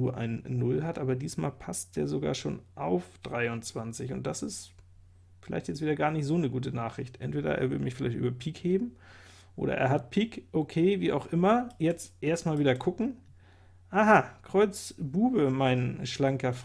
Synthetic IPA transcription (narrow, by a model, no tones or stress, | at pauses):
uːɐʔa̰ɪnnːʊlɦatʔaːbɐdiːsma̰ːlpʰast̚d̥eːɐzoɡa̰ːɐʃo̰ːnʔaʊfd̥ʁaɪʊnt͡sv̥ant͡sɪçʊnt̚d̥asɪst | fɪla̰ɪçtjɛt͡stv̥iːdɐɡaːɐnɪçtz̥oːnəɡuːtənaːχʁ̥ɪçtʔɛ̰ntv̥eːdɐ̰ʔḛːɐvɪlmɪçfɪla̰ɪçtʔy̰ːbɐpʰiːkheːbm̩ | ʔo̰ːɾɐ̰ʔḛːɐɦat̚pʰiːkʔokʰeːviːʔa̰ʊxʔɪmɐjɛt͡stʔeːɐstmaːlviːdɐkʰʊkŋ̩ | ʔaːɦakʁ̥ɔʏt͡sb̥uːbəmaɪnʃlaŋkɐf